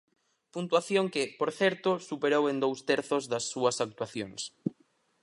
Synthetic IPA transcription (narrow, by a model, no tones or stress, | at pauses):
punt̪waθjoŋkɪpoɾθɛɾt̪ʊsupeɾowend̪owst̪ɛɾθʊzðɐsːuɐsak̚t̪waθjoŋs